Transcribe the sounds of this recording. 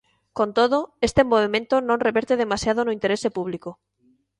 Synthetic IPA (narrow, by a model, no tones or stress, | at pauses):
kont̪oð̞oest̪emoβ̞emẽnt̪onõnreβeɾt̪eðemasjað̞onoint̪eɾesepuβ̞liko